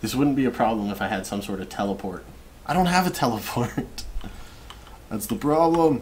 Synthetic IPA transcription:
ðɪswʊdⁿn̩b̥iɨpʰɹ̥ɑblə̃mɨfaɪɨd̥sʌ̃msɔɹɾʌv̥tʰɛlˠəpʰɔɹt̚ | ʔaɪɾõʊ̃nt̚ɦəvɨtʰɛlˠəpʰɔɹt | ðætsðəpʰɹ̥ɑblə̃m

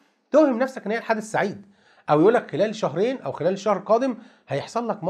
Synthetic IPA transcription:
t̪ohemnæfsæk̚ʔnheʔelħad̪ːesːaʕiːd̪̚ | ʔæwjʔuːlːækxelæːlʃæɦɾeːnʔæwxelæːlʃæhɾqɑːd̪em | hæjeħsˤɑlːɑkmɑ

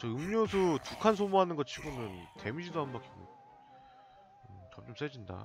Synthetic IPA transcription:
t͡ɕʌɯmɲosʰutukʰansʰomuɦanɯnɡʌt͡ɕʰiɡonɯnte̞̰mid͡ʑidoɦambʌkʰiɡo̰ | ɯt͡ɕʌmt͡ɕ͈ʌms͈ed͡ʑinda̰

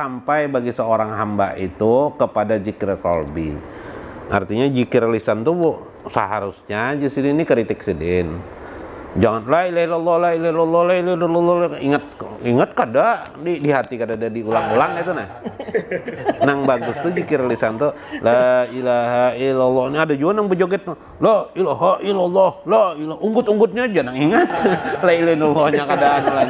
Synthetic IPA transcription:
sampajbaɡisəoɾaŋɦamba̰ʔḭt̪ukəpadad͡ʒikɪrkɔ̰lbḭ | ʔa̰rt̪iɲad͡ʒikirlisant̪ubu | sa̰ɦaɾusɲad͡ʒisininikɾit̪ɪksidɪn | d͡ʒaŋanlailailɔlːɔlailahlɔlːɔlailailɔlɔlɔliŋət̪̚iŋət̪̚kadadidiɦat̪ikadadadiulaŋulaŋit̪unah | naŋbaɡʊst̪ud͡ʒikiɾelisant̪olailaɦailɔlːɔniadad͡ʒuanaŋbəd͡ʒoɡɛt̪̚na | loilaɦailɔlːɔhloilauŋɡʊt̪uŋɡʊt̪̚ɲad͡ʒanaŋiŋət̪̚lailenɔlːɔhɲakadanla

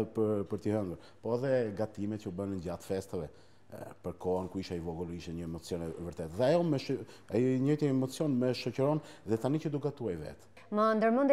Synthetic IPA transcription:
pəpəɾt̪iɦɛnɡəɾ | pɔɛðɛɡat̪imɛt̪cəubənəɲɟat̪fɛst̪əvɛ | pəɾkɔankuiʃaivɔɡɔliʃɛɲəɛmɔt͡sijɔnɛvəɾt̪ɛt̪ðɛajɔmɛʃ | ajɲɔjt̪iɛmɔt͡sijɔnmɛʃɔcəɾɔnðɛt̪anicəd̪ukɡat̪uajvɛ̰t̪ | mənd̪əɾmund̪

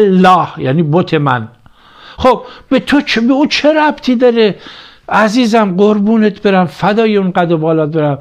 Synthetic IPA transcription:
lːɒːhjæ̰ːniːbot̪ʰemæ̰n | χob̥̚bet̪ʰot͡ʃʰbeuːt͡ʃʰeɾæb̥t̪ʰiːd̪ɒːɾe | æziːzæmɢoɾbuːnet̪ʰbe̞ɾæmfæd̪ɒːjeunɢæd̪obɒːlɒːt̪̚beɾæm

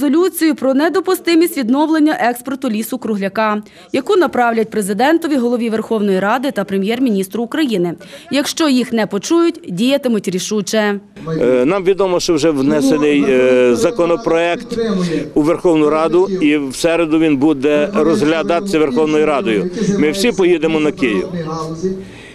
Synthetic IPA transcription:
zɔlʲut͡sʲijʊpɾɔnɛd̪ɔpʊst̪ɪmʲisʲtʲʋʲid̪nɔwlˠenʲːɐʔɛkspɔrt̪ʊlʲisʊkɾʊɦlʲɐkɑ | jɐkunɐpɾɑwlʲɐt̚ʲpɾezɪd̪ɛnt̪ɔʋʲiɦɔlˠɔʋʲiʋerxɔwnɔjiɾɑd̪ɪt̪ɐpɾemʲjɛrmʲinʲist̪ɾʊːkɾɐjinɪjɐkʃt͡ʃɔjixnɛpɔt͡ʃujʊtʲdʲijɐt̪ɪmʊtʲɾʲiʃut͡ʃɛ | nɑmʋʲid̪ɔmɔʃt͡ʃɔwʒɛʋnɛsenɪjzɐkɔnɔpɾɔɛkt̪uʋerxɔwnʊɾɑd̪ʊiwsɛɾed̪ʊʋʲinbud̪ɛɾɔzɦlʲɐd̪ɑt̪sʲɐʋerxɔwnɔjiɾɑd̪ɔjʊmɪwsʲipɔjid̪emɔnɐkɪjɪ̰w

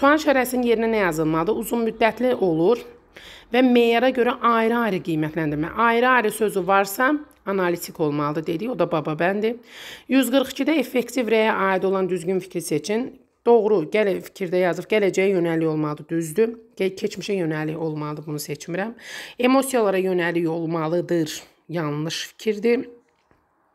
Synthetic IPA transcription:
suɑnʃæɾæsininje̞ɾinænæjɑzɯlˠmɑlˠɯd̪ɯuzunmyd̪ːæt̪ʰliʔo̞lˠuɾ | væme̞jɑɾɑɟø̞ɾæʔɑjɾɑːɾiɡijmæt̪ʰlænd̪iɾmæ̰ʔɑjɾɯɑjɾisø̞zyvɑɾsɑ | ɑnɑlit̪ʰikʰo̞lˠmɑlˠɯd̪ɯd̪e̞d̪iço̞d̪ɑbɑbɑbænd̪ijyzɡɯɾχi̥cʰid̪æefːe̞ct̪ʰivɾejæʔɑːid̪o̞lˠɑnd̪yzɟynfi̥cʰɾise̞t͡ʃʰin | d̪̥o̞ɣɾuɟælfi̥cʰiɾd̪æjɑzɯfɟælæd͡ʒæjɛjø̞nælːijo̞lˠmɑlˠɯd̪ɯd̪yzd̪ycʰet͡ʃʰmiʃɛjø̞nælːiço̞lˠmɑlˠɯd̪ɯbunuse̞t͡ʃʰmiɾæme̞mo̞sijolˠɑɾɑjø̞nælːijo̞lˠmɑlˠɯd̪ɯɾ | jɑnˠnɯʃfi̥cʰiɾd̪i

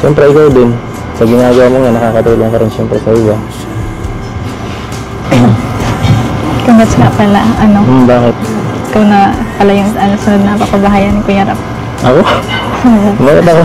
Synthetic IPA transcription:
ʃɛmpɾɛʔɪkawd̪ɪn | sɐɡɪnaːɡɐwamoɲanɐkaːkɐt̪uːloŋkɐɾɪnʃɛmpɾɛsɐʔɪba | ɪkɐŋɡɐsɪna̰pɐlaʔɐnombaːkɪt̪̚ɪkawnɐpɐlajʊŋɐnosɪnod̪nɐpɐkɐbɐɦaːjɐnɪŋkʊjɐɾap̚ | ʔɐkooobaːkɪt̪ɐko

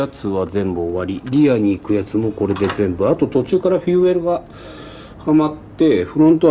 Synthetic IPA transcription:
at͡sɨβazẽ̞mbɯːβaɾʲiɾʲiaɲ̟iːkɯ̟jat͡sɨmo̞ko̞ɾe̞d̪e̞zẽ̞mbɯ̟at̪o̞t̪o̞t͡ɕɨːkaɾaɸiɯ̟e̞ɾɯ̟ɡa | hamat̪ːe̞ɸɯ̟ɾõ̞nt̪o

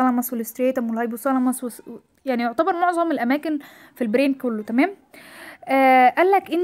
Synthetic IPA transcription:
ɑlɑmɑsˤwelest̪ɾeːt̪æmwelhɑjbuwsˤɑlɑmɑsˤwe | jaʕnijoʕt̪ɑbɑɾˤmoʕzˤɑmelʔæmæːken | filbɾeːnkolːot̪æmæːmʔæːʔælːækʔenː

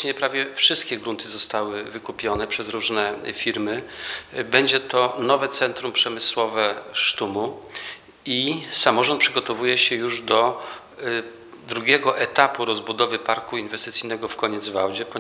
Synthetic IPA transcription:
ɲɛpɾavʲjɛfʂɘst̪̚kʲɛɡɾunt̪ʰɘzɔst̪awɘvɘkupʲjɔnɛpʂɛzɾuʐnɛfʲiɾmɘ | bɛɲd͡ʑɛt̪ɔnɔvɛt̪sɛnt̪ɾumpʂɛmɘswɔvɛʂt̪umu | isamɔʐɔnt̪pʂɘɡɔt̪ɔvujɛɕɛjuʐd̪ɔ | d̪ɾuɡʲɛɡɔʔɛt̪apuɾɔzbud̪ɔvɘpaɾkuinvɛst̪ɘt̪sʲijnɛɡɔfkɔɲɛd̪zvawd͡ʑɛpɔ

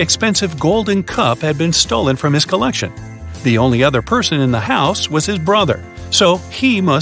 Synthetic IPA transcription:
ɨkspɛ̃nsɨvɡoʊlˠdⁿn̩kʰʌphɨd̚bɨ̃nstoʊlˠə̃nfɹʌ̃mɨz̥kʰəlɛkʃɨ̰̃n | ðiõʊ̃nliʌðə˞pʰɜ˞sɨ̃nɨ̃nðəhaʊswʌz̥ɨzbɹʌðə̰˞ | soʊimʌ

